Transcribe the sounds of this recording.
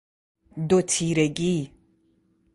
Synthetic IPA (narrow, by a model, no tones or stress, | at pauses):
dotʰiɾɛɡʲi